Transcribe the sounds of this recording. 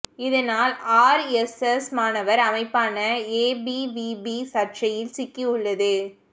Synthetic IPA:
ɪðɐnaːlaːɾɛsɛsmaːnɐʋɐɾɐmɐɪpːaːnɐeːbibiːbisɐɾʈt͡ʃɐjɪlsɪkːiʊɭːɐðɯ

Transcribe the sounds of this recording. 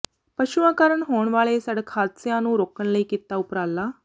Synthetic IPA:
pəɕuʋãkaɾəɳɦoɳʋaɭesəɽəkʰat̪sjãnũːɾokəɳləikit̪ːaupɾalːa

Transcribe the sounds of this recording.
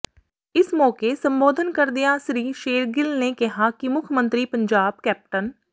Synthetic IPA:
ɪsmɔːkesə̃mboːd̪ʱənkəɾd̪ɪjasɾiːʃeːɾɡɪlnekɛɦakimʊkʰjmə̃nt̪ɾipə̃ɲd͡ʒaːb̚kɛːp̚ʈən

